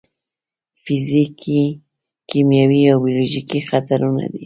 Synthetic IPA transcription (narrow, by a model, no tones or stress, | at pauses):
fɪzikʰi | kimjawiawbjoloʒikixat̪aɾuna̰d̪ḭ